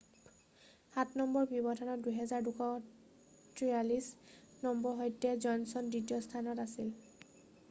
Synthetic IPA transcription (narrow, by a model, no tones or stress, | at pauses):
hatʰnɔmbɔɹbibɔtʰɔnɔtdujɦɛzaɹdukʰɔ | tʰɹialis | nɔmbɔɹɦɔjtɛzɔjnsɔndɹitijɔstʰanɔtasil